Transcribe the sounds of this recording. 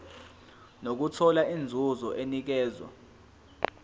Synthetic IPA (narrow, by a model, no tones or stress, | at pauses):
nok̬utʰɔlaind͡zʱuzɔʔenik̬ɛːzwa̰